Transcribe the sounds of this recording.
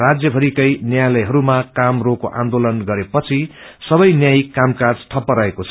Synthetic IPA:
rad͡zjʌbʱʌɾikʌjnjajlʌjɦʌɾumakamrokoʔã̰nd̪olʌnɡʌɾepʌt͡sʰi | sʌbʌjnjajkamkad͡zʈʰʌpːʌɾaekot͡sʰʌ

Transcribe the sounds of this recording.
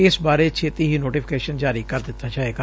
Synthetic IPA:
ɪsbaːɾet͡ʃʰeːt̪iːɦiːnoːʈiːpʰɪ̥keːʃənd͡ʒaːɾikəɾd̪ɪt̪ʰːaːd͡ʒaːeːɡaː

